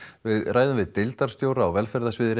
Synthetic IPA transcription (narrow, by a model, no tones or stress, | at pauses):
vɪðraːjðʏmvɪðt̪ɪlt̪aɾ̥st̪joːwɾaːwvɛlfɛɾðasvɪːðɪɾ